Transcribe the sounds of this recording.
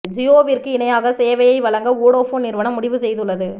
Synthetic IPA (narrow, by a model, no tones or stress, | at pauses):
d͡ʒɪjoːʋirkɯɪnɐjaːɣɐseːʋɐjɐɪʋɐɭɐŋɡɐuːɽoːfoːnːɪɾʋɐnɐ̃mːʊɽɪʋɯsɛjðɯɭːɐðɯ